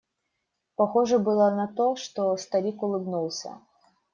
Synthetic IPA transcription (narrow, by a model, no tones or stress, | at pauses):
paxɔʐɐbɨlˠɐnɐt̪ɔʂt̪ɔst̪alʲikʊlˠɨbnulˠsʲɐ̰